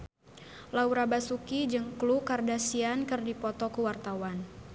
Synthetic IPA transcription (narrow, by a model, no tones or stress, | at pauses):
lauɾabasukid͡ʒəŋklukardasiankɨrdipɔt̪ɔkuwart̪awan